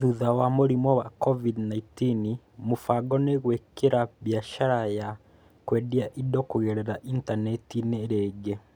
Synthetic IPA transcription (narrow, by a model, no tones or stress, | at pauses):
ðuðawamoɾimɔwakɔvidnaitini | mofaɡɔneɣwekeɾaβjaʃaɾaja | kwɛdiaʔidɔkoɣɛɾɛɾaʔintanɛtineɾɛːɡɛ